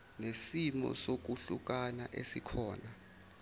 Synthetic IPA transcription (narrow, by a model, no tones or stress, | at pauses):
nesimɔ̰sok̬uɬuk̬anaʔesikʰɔːna